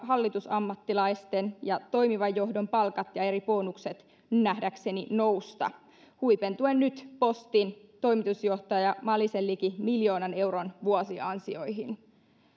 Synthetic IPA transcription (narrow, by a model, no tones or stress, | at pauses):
ɦɑlːit̪usɑmːɑt̪ːilɑjst̪enjɑt̪o̞jmiʋɑjːo̞ɦdo̞mpɑlkɑt̪jɑe̞ɾipo̞ːnukset̪ | næhdækse̞nino̞wst̪ɑ̰ | huipent̪uenːyt̪po̞st̪in | t̪o̞jmit̪usjo̞ht̪ɑjɑmɑlːiselːikimiljo̞ːnɑne̞wronʋuosiɑnsio̞jɦin